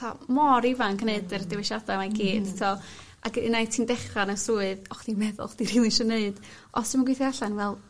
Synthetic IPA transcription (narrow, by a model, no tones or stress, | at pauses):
tamɔɾivankʰneɨdɨrdɪwɛʃadamaɡiːd̥tʰɔ | aɡəinajtʰindɛχanəsuːɨðɔχd̥imɛðʊ̰lˠχd̥iɾilˠɪʃəneɨd̥ | ɔ̰sd̥ɪmaɡwɪθjaɬanvɛlˠ